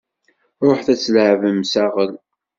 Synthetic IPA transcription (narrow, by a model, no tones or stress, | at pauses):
ɾˤoħθæt͡sːləʕvəmsæʁəl